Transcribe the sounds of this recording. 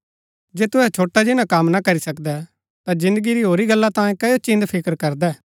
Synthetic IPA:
d͡ʒeːt̪ʊɦɛt͡ʃʰoːʈːad͡ʒɪnãkɐmnakɐɾisɐkd̪ɛ | t̪ãd͡ʒɪ̃nd̪əɡiɾiɦoːɾiɡɐlːat̪ãːẽkɐjot͡ʃɪ̃nd̪pʰɪkəɾkɐɾd̪ɛː

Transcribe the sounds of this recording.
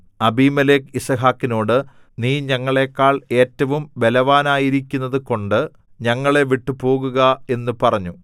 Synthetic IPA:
ɐbiːmɐlekisɐɦaːkːino̞ːɽɨ | niːɲɐŋːɐɭe̞ːkːaːɭe̞ːtːɐʋumbe̞lɐʋaːnaːjiɾikʲːunːɐðɨko̞ɳɖɨ | ɲɐŋːɐɭe̞ʋiʈːupo̞ːɣuɣɐe̞nːɨpɐrɐɲːu

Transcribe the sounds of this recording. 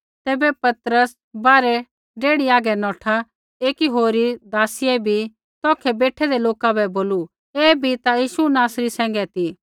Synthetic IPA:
t̪eːbɛpɐt̪ɾəs | baːɾɛ | ɖeːɽiaːɡɛnɔ̃ːʈʰa | eːkiɦoːɾid̪aːsiɛbʱi | t̪ɔːkʰɛbeːʈʰɛd̪eloːkabɛboːlu | eːbʱit̪ajiːʃunaːsɾisɛ̃ːŋ̆ɡɛt̪i

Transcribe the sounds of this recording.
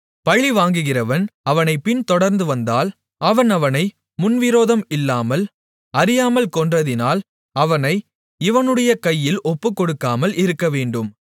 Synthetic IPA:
pɐɻiʋaːŋɡɯɣɪrɐʋɐnɐʋɐnɐɪpɪnt̪ɔɽɐɾnd̪ɯʋɐnd̪aːl | ɐʋɐnɐʋɐnɐɪ | mʊnʋɪɾoːðɐmɪlːaːmɐl | ɐɾɪjaːmɐlkɔndrɐðɪnaːl | ɐʋɐnɐɪ | ɪʋɐnɯɽɐjɐkɐjːɪlʔɔpːɯkːɔɽɯkːaːmɐlɪɾɯkːɐʋeːɳɖɯm

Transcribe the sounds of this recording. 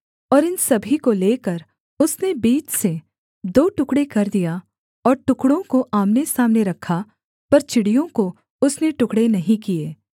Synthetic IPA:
ɔːɾɪnsɐbʱikoleːkɐɾ | ʊsnebiːt͡ʃse | d̪oːʈʊkɽekɐɾd̪ija | ɔːɾʈʊkɽõkoʔaːmnesaːmneɾɐkʰːa | pɐɾt͡ʃɪɽijõko | ʊsneʈʊkɽenɐɦĩkieː

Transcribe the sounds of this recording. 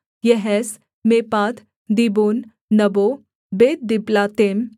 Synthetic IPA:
jɛɦɛs | meːpaːt̪ʰ | d̪iboːnː | ɐbo | beːt̪̚d̪ɪblaːt̪eːm

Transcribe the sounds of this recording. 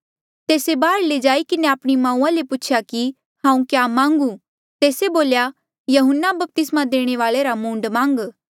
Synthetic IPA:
t̪eːsebaːɾled͡ʒaːikɪneaːpɽ̃imãːũːãlepʊt͡ʃʰjaki | hãːũkjaːmãːŋɡũ | t̪eːseboːlja | jɐɦʊnːabɐp̚t̪ɪsmad̪eːɽ̃eʋaːɭeɾamũːɳɖmãːŋɡ

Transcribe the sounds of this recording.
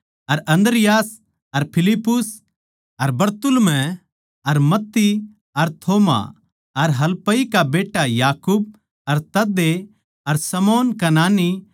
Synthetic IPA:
ɐɾɐ̃nd̪ɾɪjaːs | ɐɾpʰɪlɪpːʊs | ɐɾbɐɾt̪ʊlmɛ̃ | ɐɾmɐt̪ːi | ɐɾt̪ʰoːma̰ | ɐɾɦɐlpəikabeːʈːajaːkub̚ | ɐɾt̪ɐd̪ːe | ɐɾsɐmoːnkanaːni

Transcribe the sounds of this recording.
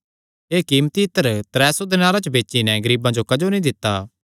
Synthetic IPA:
eːkiːmt̪iɪt̪əɾt̪ɾɛːsod̪ɪnaːɾat͡ʃəbeːt͡ʃinɛɡɐɾiːbãd͡ʒokɐd͡ʒonĩd̪ɪt̪ːaː

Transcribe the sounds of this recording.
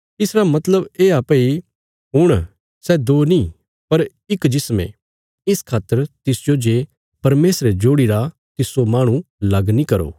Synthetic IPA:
ɪsɾamɐt̪ləbeːaːpːi | ɦʊɽ̃ | sɛd̪oːni | pɐɾ | ɪkd͡ʒɪsmḛ̃ | ɪskʰaːt̪ːəɾt̪ɪsd͡ʒoːd͡ʒeː | pɐɾmeːsɾed͡ʒoːɽiɾa | t̪ɪsomaːɽ̃ũlɐɡnĩkɐɾo̰ː

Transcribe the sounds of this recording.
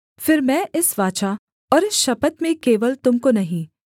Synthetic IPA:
fɪɾmɛ̃ːʔɪsʋaːt͡ʃa | ɔːɾɪsʃɐpət̪mẽkeːʋəlt̪ʊmkonɐɦĩː

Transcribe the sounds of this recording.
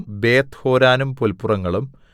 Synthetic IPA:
mbe̞ːt̪ho̞ːɾaːnumpolpːurɐŋːɐɭum

